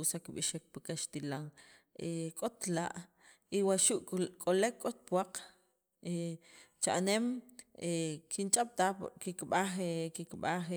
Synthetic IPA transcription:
usakɓiʃek̚pikaʃt̪ilaŋ | ekʼot̪laʔ | iwaʃuʔkʼolekʼːot̪̚pwaq | et͡ʃa̰ʔnemekʰint͡ʃʼaɓ̥t̪akikɓaχekikɓaχ

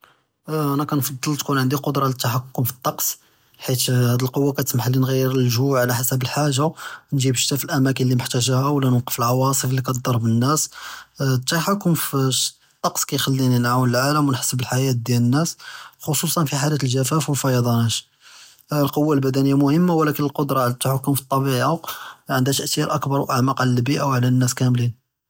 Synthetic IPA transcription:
ʔænækænfɑd̪ˤːəlt̪kunʕənd̪iqod̪ɾˤɑlət̪ːaħakːʊmfi̥t̪ˤːɑqs | ħit̪hæd̪əlqowːakæt̪əsmaħlinɣijːəɾəlʒuʕlæħasəbəlħaʒanʒibəʃt̪æfəlʔæmækənlimʊħt̪æʒæhæwlænwqə̥fəlʕɑwɑsˤəflːikæt̪d̪ˤɑɾˤbənːæs | t̪ːaħakːʊmf | t̪ˤːɑqsˤkæjxælːininʕawnəlʕaləmwənħḁsəbəlħajæt̪̚d̪jælənːæsxosˤusˤɑnfiħalæt̪əlʒæfæfwəlfɑjɑd̪ˤɑnæt̪ | lqowːalbæd̪ænəjːamʊhəmːawlækənəlqod̪ɾˤɑʕlæt̪ːaħʊkːʊmfi̥t̪ˤːɑbiʕaʕənd̪æt̪əʔt̪iɾʔəkbɑɾˤwʔəʕmæqʕlælbiʔawʕlænːæskæmlin

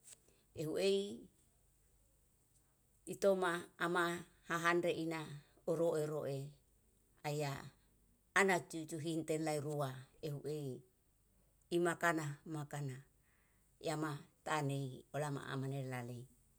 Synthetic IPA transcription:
eɦuʔei | it̪omaːma | haɦanɾeʔina | oɾoʔeɾoʔe | aiaː | nat͡ʃut͡ʃuɦint̪enlaiɾuaeɦuʔei | imakanamakana | j̰amat̪aːneiolama̰a̰manelalei

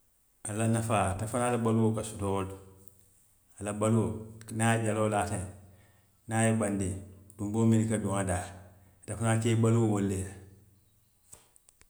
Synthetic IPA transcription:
alanafatafaːlabaluwokasutod | alabaluwonaɟalolate | najibandidumbominikaduŋada | tafunakebaluwowolːea

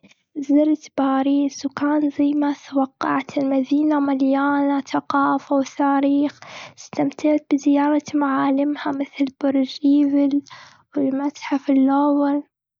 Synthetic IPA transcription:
zɪɾt̪baːɾiːswkaːnzajmaθawɑqːɑ̰ʕt̪ɪlmaðiːnamaljaːnaθaqɑːfawθaːɾiːxst̪amt̪ɪʕt̪̚bɪzɪjɑːɾˤɑmaʕaːlɪmhamɪθlbʊɾˤʒʔiːvɪl | wɪlmat̪ħafilːowɪl

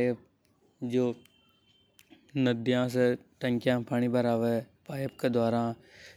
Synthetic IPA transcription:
p̚ | d͡ʒoː | nəd̪jãs̬eʈə̃ŋkjãːpʰaɽ̃ibəɾaːʋepaːjəpked̪aːɾãː

